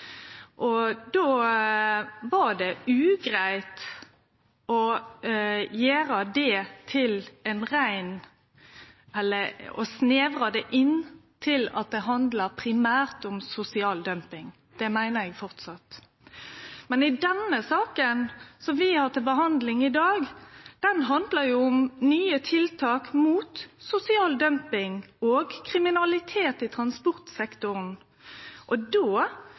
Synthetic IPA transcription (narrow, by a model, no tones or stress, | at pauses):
ʔɔd̪oː | ʋɑɾɖ̪ɛʉːɡɾæɪt̪ | ɔ | jeːɾɑd̪ɛt̪ʰɪlɛnɾæɪn | ɛlːəɾɔsneːʋɾɑd̪ɛʔɪnːt̪ʰɪlɑ̰t̪̚d̪ɛɦɑnd̪ləpʰɾɪmæːɾt̪ʊmsʊsɪɑːld̪œmpɪŋ | d̪̥ɛmæɪnəɾɛɡfɔʁt̪sɑt̪ | mɛnɪd̪ɛnəsɑːkənsɔmʋɪhɑːʁt̪ɪlbəɦɑnd̪lɪŋɪd̪ɑːɡd̪̥ɛnɦɑnd̪ləɾjʊʊmnyːət̪ʰɪlt̪ʰɑːkmuːt̪sʊsɪɑːld̪œmpɪŋoːɡkʰʁɪmɪnɑlɪt̪ʰeːt̪ɪt̪ʰʁɑnspɔʁt̪sɛkt̪ʊɾn | ʔɔd̪oː